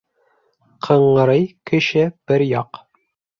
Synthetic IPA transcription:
qʰɤ̆ɴɤ̆ɾɤjkɘ̆ʃɘb̥ɘɾjɑq

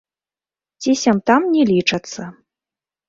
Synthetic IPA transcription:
t͡sʲisʲɐmt̪amnʲɛlʲit͡ʂɐt̪sːɐ

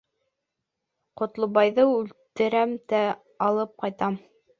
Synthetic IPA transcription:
qŏt̪lˠobɑjðɤʉlt̪ɘ̆ɾæmt̪æ | ɑlˠɤp̚qɑjt̪ɑm

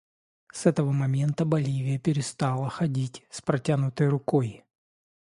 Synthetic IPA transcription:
sɛt̪əvəmɐmʲe̞nt̪əbɐlʲivʲɪjəpʲɪɾʲɪst̪ɑlˠəxɐdʲitʲspɾɐtʲanʊt̪əjɾʊkoj

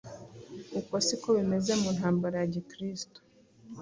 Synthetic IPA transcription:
ukosikoβime̞ze̞mun̥haːmbaɾajaɟikɾisto̥

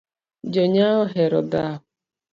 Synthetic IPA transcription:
d͡ʒoɲaɦʊɦeɾɔdaɦʊ

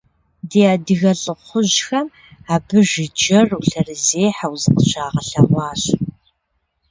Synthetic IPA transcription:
deːaːdɨɣɐɬʼɨχʷʊʑxɐm | aːbɨʒɪd͡ʒɐruɬɐrɨzeːħawzɨqəɕaːʁɐɬɐʁʷɑːɕ

